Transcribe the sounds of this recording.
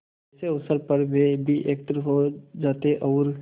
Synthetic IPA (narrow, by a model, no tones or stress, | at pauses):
seɐʋsəɾpɐɾmẽbʱiʔeːk̚ʈɾɦod͡ʒaːt̪eʔɔːɾ